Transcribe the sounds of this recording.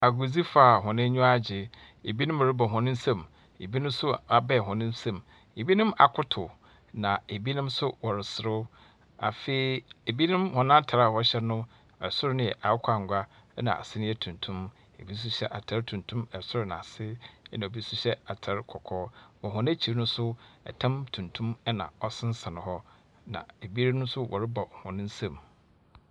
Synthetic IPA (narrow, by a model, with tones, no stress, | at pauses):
a˨ɡu˨d͡zi˦faː˨ɦɔ̃˨nɪ̃˦ɲũ˦a˦˨d͡ʑɪ˨ | e˨bi˦nʊ̃˦m˨ɾɪ˦bɔ˨ɦʊ̃˨nɪ̃˦n̩˦sã˦˨m | e˨bi˦nʊ̃˦m˦sʊ˦a˨bɛ˦˨ɦʊ̃˨nɪ̃˦n̩˦sã˦˨m | e˨bi˦nʊ̃˦ma̰˨kʰʊ˦tʰʊ˨ | nã˨e˨bi˦nʊ̃˦msʊ˦wɔ˨ɾɪ˨sɪ˨ɾʊ˦ | a̰˨feː˨i˨e˨bi˦nɪ̃˦mhʊ̃˨nã˦tʰa˨ɾa˨wɔ˨˦ɕɛ˦nʊ̃˦ | ɛ̰˨sʊ˦ɾʊ˦nɪ̃˦ɛ̰˨ʔa˨˦kʷʰa˨ŋ˨ɡʷa˦nã̰˨a̰˨sɪ˦nɪ̃˦ɛ˦tʰũ˨ntʰũ˦m | ḛ˨bi˦s̬u˦ɕɛ˦ʔa˨tʰa˦ɾtʰũ˨n˨tʰũ˦mɛ˨sʊ˦ɾʊ˦nã̰˨a˨sɪ˦ɛ˦nã˨o˨bi˦su˦ɕɛ˦a˨tʰa˨˦ɾkʰɔ˨kʰɔː˦wɔ˨ɦʊ̃˨n˦æ˦t͡ɕʰi˨ɾnʊ̃˦sʊ˦ɛ̰˨tʰã˦mtʰũ˨ntʰũ˦mɛ˦nã̰˨ɔ˦sɪ̃˦n̩˦sã˨nʊ̃˨ɦɔ˦ | nã̰˨e˨bi˦nʊ̃˦sʊ˦wʔɔ̰˨ɾɪ˦ba˨hɔ̃˨nɪ̃˦n̩˦sã˨m